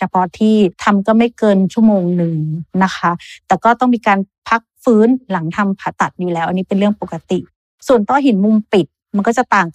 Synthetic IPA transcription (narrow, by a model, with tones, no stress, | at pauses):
t͡ɕʰa˧˩pʰɔː˧t̪ʰiː˥˩t̪ʰa˧mkɔː˥˩ma˥˩jkɤː˧nt͡ɕʰu˥˩moː˧ŋnɯ˧˩ŋna˦˥kʰa˦˥t̪ɛː˨˩kɔː˥˩t̪ɔ˥˩ŋmiː˧kaː˧n | pʰa˦˥k̚fɯː˦˥nla˩˦ŋt̪ʰa˧mpʰaː˨˩t̪a˨˩t̪̚juː˨˩lɛː˦wʔniː˦˥pe˧nɾɯ˥˩əŋpo˨˩kːa˧t̪i˨˩ʔ | su˨˩ənt̪ɔː˥˩ɦi˨˩˦nmu˧mpi˨˩t̪̚ma˧nkɔː˥˩t͡ɕa˨˩t̪aː˨˩ŋ